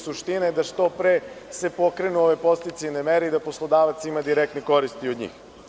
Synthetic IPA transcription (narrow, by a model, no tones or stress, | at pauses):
suʃt̪inaed̪aʃt̪o̞pɾese̞po̞kɾenuoʋepo̞st̪it̪senemeɾeid̪aposlˠo̞d̪aːʋat̪simad̪iɾek̚t̪neko̞ɾist̪iod̪ɲḭːx